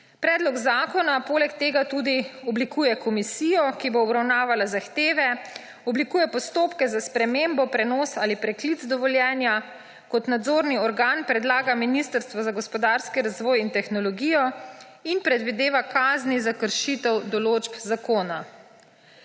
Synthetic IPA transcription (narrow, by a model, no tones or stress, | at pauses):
pɾɛːd̪lɔɡzaːkɔnapoːlɛkt̪eːɡat̪ud̪iɔblikuːjɛkʰɔmisijɔkiboːbɾawnaːʋalazaxt̪eːʋɛ | ɔblikuːjɛpɔst̪oːpkɛzaspɾɛmeːmbɔpɾɛnɔːsaːlipɾɛklid̪zd̪ɔʋɔljɛːnja | kɔt̪nad̪zoːɾniɔɾɡaːnpɾɛd̪laːɡaminist̪əɾst̪ʋɔzaɡɔspɔd̪aːɾskiɾazʋɔːjint̪ɛxnɔlɔɡijɔ | inpɾɛd̪ʋid̪eːʋakaːznizakəɾʃit̪ɛwd̪ɔloːd͡ʒpzakoːna